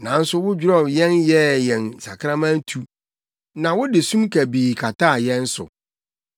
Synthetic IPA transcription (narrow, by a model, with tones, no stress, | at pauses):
nã˨n̩˦sʊ˦wʊ˦d͡ʑᶣɾɔ˦˨jɛ̃˦njɛ˦jɛ̃˨n˨sa̰˨kʰɾã˦mã˦n˦tʰu˦ | nã˨wʊ˦dɪ˨sũ˦mkʰæ˨biː˨kʰa˨tʰa˦˨jɛ̃˦n˦sʊ̰˨